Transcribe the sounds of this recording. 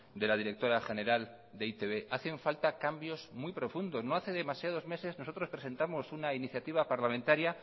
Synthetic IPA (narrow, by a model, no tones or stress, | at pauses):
d̪e̞lað̞iɾe̞k̚t̪o̞ɾaxe̞ne̞ɾal | d̪eit̪eβe̞ʔaθe̞ɱfalt̪akambjo̞zmwipɾo̞fund̪o̞zno̞aθe̞ðe̞masjað̞o̞zme̞se̞zno̞so̞t̪ɾo̞spɾes̬e̞nt̪amo̞sunainiθjat̪iβ̞apaɾlamẽnt̪aɾja